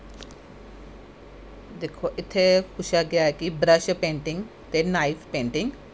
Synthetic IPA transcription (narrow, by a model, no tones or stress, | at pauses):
d̪eːkʰoʔɪt̪ʰːekʰʊʃaɡjaekibɾəʃəpẽːɳʈɪ̃ŋɡ | t̪enaifpẽːɳʈɪ̃ŋɡ